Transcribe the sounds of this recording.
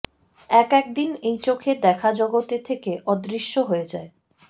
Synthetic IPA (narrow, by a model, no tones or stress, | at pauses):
ɛkɛk̚d̪inejt͡ɕokʰeɾd̪ɛkʰad͡ʑɔɡot̪et̪ʰekeʔɔd̪ɾiʃːoɦoed͡ʑae